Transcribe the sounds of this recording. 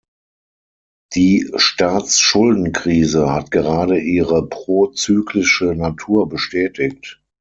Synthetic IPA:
d̥iːʃtaːt͡sʃʊldn̩kʁ̥iːzəhatɡ̥əʁaːdəʔiːʁəpʁ̥oːt͡syːkʰlɪʃənatʰuːɐbəʃtɛːtɪk̚t

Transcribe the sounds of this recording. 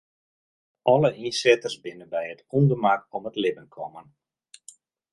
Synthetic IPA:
ʔɔlˠəʔinsɛtərsbɪnəbɛjətʰundərmakɔmətlɪbənkʰɔmən

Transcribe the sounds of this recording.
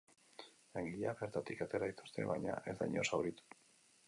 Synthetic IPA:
laŋɡiʎaβe̞ɾt̪at̪ikat̪e̞ɾait̪ost̪e̞̰βa̰jɲa̰ʔe̞zd̪a̰jɲo̞̰sawɾit̪u̥

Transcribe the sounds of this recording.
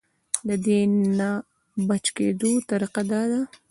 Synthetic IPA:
lad̪ena | bat͡ʃkḛd̪ot̪aɾiqad̪ɑd̪a

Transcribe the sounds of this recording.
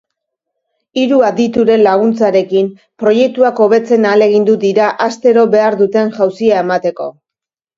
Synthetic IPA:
iɾuad̪it̪uɾe̞nlaɣ̞unt͡saɾe̞kim | pɾo̞je̞k̚t̪uako̞βe̞t͡se̞nale̞ɣ̞ind̪ud̪iɾaʔast̪e̞ɾo̞βe̞aɾðut̪e̞nʝawsiae̞mat̪e̞ko̞

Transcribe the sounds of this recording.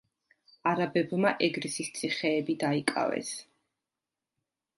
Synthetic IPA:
aɾabɛbmaʔɛɡɾisist̪sʼʰiχɛːbid̪aikʼa̰vɛ̰s

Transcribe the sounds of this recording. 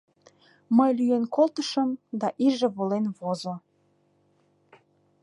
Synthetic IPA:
məjlyjenkolt̪əʃəmd̪ɑʔiʒĕβolenβozo

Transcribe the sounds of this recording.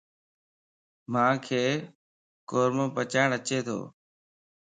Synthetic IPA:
mãːkʰeː | koːɾmõːpət͡ʃaːɳət͡ʃeːt̪ʰo̰ː

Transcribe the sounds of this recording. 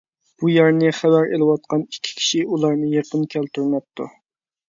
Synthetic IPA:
b̥ujɛɾnɨχæbæɾelɨwɑt̪̚qɑnikʲʰːi̥kʲʰi̥ʃiulˠɑɾnɨjeqənkʲʰælt̪yɾnɛp̚t̪ʰṵ

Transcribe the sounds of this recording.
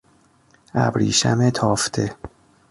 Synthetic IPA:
æ̰bɾiːʃæmet̪ʰɒːft̪ʰe

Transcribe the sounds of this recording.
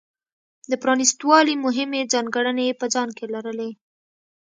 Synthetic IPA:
d̪əpɾɑnist̪wɑlimʊɦɪmed͡zɑnɡəɽənepəd͡zɑnkelaɾəle

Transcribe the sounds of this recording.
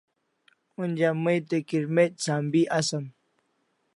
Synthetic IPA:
und͡ʑaməjt̪ekiɾmet̪̚saːmbiʔasəm

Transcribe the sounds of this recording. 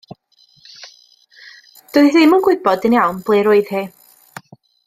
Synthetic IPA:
d̥oɨðiːmənɡwɪbɔdɨnjawnb̥lˠɨːɾʊɨð̥hiː

